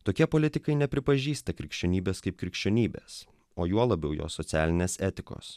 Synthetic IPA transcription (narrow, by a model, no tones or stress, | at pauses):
t̪oːkʲiɛpolʲɪt̪ʲɪkɐɪnʲɛpʲɾʲɪpɐʒʲiːst̪ɐkɾʲɪkʃʲt͡ʃʲoːnʲiːbʲeːskɐɪp̚kɾʲɪkʃʲt͡ʃʲoːnʲiːbʲḛːs | oːjuɔlˠɐbʲɛʊjo̰ːsɔt̪sʲæːlʲɪnʲeːsɛːt̪ʲɪko̰ːs